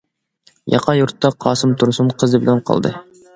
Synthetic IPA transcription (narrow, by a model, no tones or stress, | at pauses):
jɑ̰qʰɑjuɾt̪ːɑqʰɑːsɨmt̪ʰuɾsunqʰəzɨbɪlænqʰɑ̰lˠd̪ɨ̰